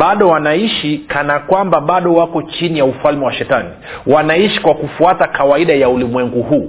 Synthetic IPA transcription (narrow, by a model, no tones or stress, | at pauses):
ɓaɗɔwanaiʃikanakwambaɓaɗɔwakɔt͡ʃinijaufalmɛwaʃɛtani | wanaiʃi̥kwakufuatakawaiɗajaulimwɛŋɡuhuː